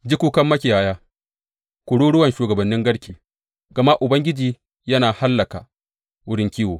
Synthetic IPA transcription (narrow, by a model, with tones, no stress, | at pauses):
d͡ʒɪ˦kʷuː˦kɐ˦mːɐ˦kʲi˨jaː˨˦jaː˦ | kʷʊ˨ɽuː˦ɽʊ˦wɐ˨nʃuː˨ɡɐ˨bɐ˨nːɪ˦ŋɡɐ˦ɽkʲiː˨ | ɡɐ˨ma˦ʔʔʊ˨bɐ˦ŋɡʲɪ˦d͡ʒiː˨ | jɐ˦naː˨ha˦lːɐ˨ka˨ | wʊ˦ɽɪ˦ŋkʲiː˦woː˨